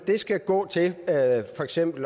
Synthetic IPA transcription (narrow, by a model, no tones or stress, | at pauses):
d̥e̝sɡ̥æɡ̥ɔ̰̽ːt͡sʰe̝fɒ̽eɡ̥sem̰b̥l̩